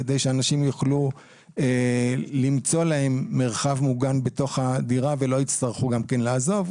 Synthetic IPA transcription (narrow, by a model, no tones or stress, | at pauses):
ed̪ejʃeanaʃimjuχlu | elimt͡so̞lahe̞mːe̞ʁχavmuɡanbe̞to̞χadiʁavelo̞it͡st̪aʁχuɡamkenlaːzo̞v